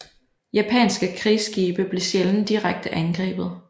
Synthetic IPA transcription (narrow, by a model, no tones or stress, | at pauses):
jæpʰɛ̰ːnsɡ̥əkʰʁisɡ̥iːb̥əb̥le̝ɕjeln̩d̥iʁaɡ̥̚d̥əʔænɡ̥ʁɛ̰ːb̥ð̞̩ˠ